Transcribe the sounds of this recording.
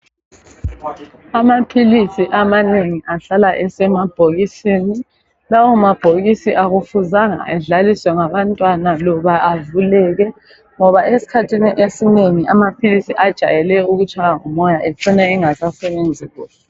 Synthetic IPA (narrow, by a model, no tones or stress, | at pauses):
amapʰilisiʔamaneŋiʔaɬalaʔɛsɛmab̥ʱoɣisini | lawɔmab̥ʱoɣisiʔaɣufuzaŋa̰ɛɮaliswɛŋaβantʼwanalɔβaːvulɛɣɛ | ŋɔβaesi̥kʰatʰiniʔesineŋiʔamapʰilisiʔad̥ʒ̥ʱa̰jɛlɛuɣut͡ʃʰʼajaŋumɔjaʔɛǀinɛiŋasasɛβend͡zʱiːɣɔ